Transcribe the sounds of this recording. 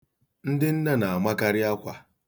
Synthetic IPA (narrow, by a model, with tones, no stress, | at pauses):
n̩˦dɪ˦n̩˦da˦na˨a˨ma˦ka˦ɾɪ˦a˦kʷa˨